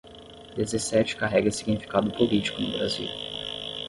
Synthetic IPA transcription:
d̪ezesɛt͡ʃɪ̥kaɦɛɡɐsiɡnifi̥kad̪ʊpolit͡ʃi̥kʊnʊbɾaziw

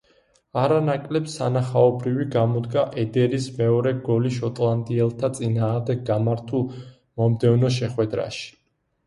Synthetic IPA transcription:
aɾanakʼlɛpsanaχaɔbɾiviɡamɔd̪ɡaʔɛd̪ɛɾismɛɔɾɛɡɔliʃɔt̪ʼlˠand̪iɛlˠt̪ʰat̪sʼinaːʁmd̪ɛɡːamaɾt̪ʰulˠ | mɔmd̪ɛvnɔʃ̬ɛχwɛd̪ɾa̰ʃi̥

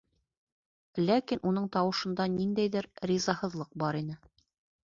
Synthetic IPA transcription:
lækinʔun̪ɤɴt̪ɑwɤ̆ʃɤ̆nd̪ɑnind̪æjðɘɾɾizɑhɤ̆ðlˠɤq̚bɑɾin̪ɘ

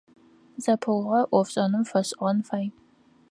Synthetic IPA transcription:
zɐpʰɨwʁɐʔʷɔfɕʼɐnɨmfɐɕʼʁɐnfaːj

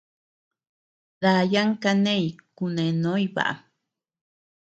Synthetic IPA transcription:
ðajaŋkanejkunenojba̰ʔ

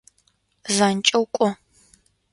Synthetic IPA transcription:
zaːnt͡ʃʼɐwkʷʼɔ

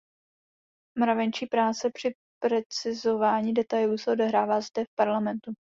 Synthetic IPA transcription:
mɾavɛnt͡ʃiːpɾaːt͡sɛpr̥ɪ | pɾɛt͡sɪzo̞vaːɲiːdɛt̪ajluːsɛo̞dɛɦɾaːvaːzdɛfpaɾlamɛnt̪u

